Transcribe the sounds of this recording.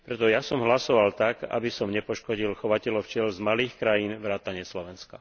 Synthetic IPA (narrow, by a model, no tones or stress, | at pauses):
pɾɛt̪ɔjasɔmɦlasɔʋalt̪aka̰bisɔmɲɛpɔʃkɔɟilxɔʋacɛlɔʊft͡ʃɪɛlzmaliːxkɾajiːnʋɾaːt̪aɲɪɛslɔʋɛnska